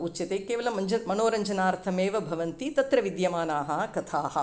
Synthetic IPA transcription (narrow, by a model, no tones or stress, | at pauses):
utt͡ʃɐt̪eːkeːʋɐlɐmɐd͡ʒɐmɐnoːɾɐɲd͡ʒɐnaːɾt̪ʰɐmeːʋɐbʱɐʋɐnt̪it̪ɐt̪ɾɐʋid̪jɐmaːnaːɦɐkɐt̪ʰaːɦɐ̆